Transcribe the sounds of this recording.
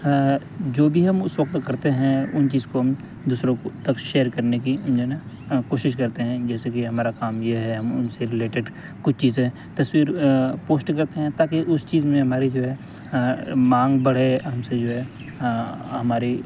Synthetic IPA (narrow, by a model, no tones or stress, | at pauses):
d͡ʒoːbʱiɦɐmʊsʋɐkt̪kɐɾt̪eɦɛ̃ʊnt͡ʃiːzkoɦɐm | d̪uːsɾõt̪ɐkʃeːəɾkɐɾnekid͡ʒona | koːʃɪʃkɐɾt̪eɦɛ̃d͡ʒɛːsekiɦɐmaːɾakaːmjeɦɛɦɐmʊ̰nseɾɪleːʈeɖ | kʊt͡ʃʰt͡ʃiːzẽ | t̪ɐswiːɾpoːsʈkɐɾt̪eɦɛ̃t̪aːkeʔʊst͡ʃiːzmẽɦɐmaːɾid͡ʒoːɦɛː | mãːŋɡbɐɽ̤eɦɐmsed͡ʒoːɦɛː | ɦɐmaːɾi